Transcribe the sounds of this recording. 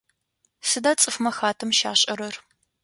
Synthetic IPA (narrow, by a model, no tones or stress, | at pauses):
sɨdaːt͡sʼɨfmɐxaːtʰɐmʃa̰ːɕʼɐɾɐr